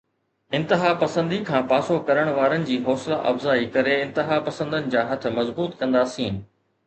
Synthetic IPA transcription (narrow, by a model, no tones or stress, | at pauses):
ɪ̃nt̪ɪɦaːpɐsə̃nd̪ikʰãːpaːsokɐɾəɽ̃ʋaːɾənɪ̆d͡ʑiːɦɔːslaʔɐfzaːikɐɾeɪ̃nt̪ɪɦaːpɐsə̃nd̪ənɪ̆d͡ʑaːɦɐt̪ʰʊ̆mɐzbuːt̪kɐ̃nd̪aːsĩː